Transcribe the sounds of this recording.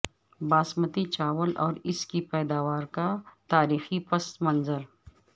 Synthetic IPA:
baːsmət̪it͡ʃaːʋəlʔɔːɾɪskipɛːd̪aːʋaːɾkat̪aːɾiːxipɐst̪mɐnzəɾ

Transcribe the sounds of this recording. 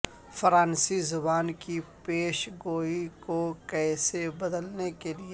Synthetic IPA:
fɾaːnsizʊbaːnkipeːʃɡoːɦikokɛːsebɐd̪əlnekelie

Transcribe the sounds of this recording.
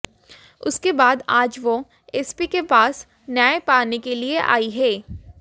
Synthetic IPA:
ʊ̰skebaːd̪aːd͡ʒʋo | ɛːspikepaːs | naːepaːnekelieʔa̰ːiɦɛː

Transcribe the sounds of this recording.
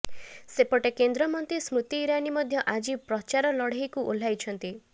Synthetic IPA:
sepɔʈekend̪ɾɔmɔnt̪ismɾut̪iːɾanimɔd̪ʱjɔʔad͡ʒipɾɔt͡ʃaɾɔlɔɽ̤ejkuʔol̤ajt͡ʃʰɔnt̪i

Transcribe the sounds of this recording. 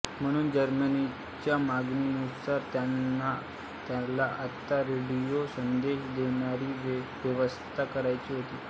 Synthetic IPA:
m̤əɽ̃uːnd͡ʑəɾməni | t͡ɕjamaɡninut̪saɾt̪janːa | t̪jalaʔət̪ːaɾeɽijosənd̪eɕd̪eɳ̃aɾiːʋjəʋəst̪ʰakəɾajt͡ɕiːɦot̪iː

